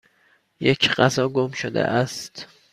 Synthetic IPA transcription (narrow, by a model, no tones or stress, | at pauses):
jecʰɢæzɒːɡomʃod̪ḛʔæst̪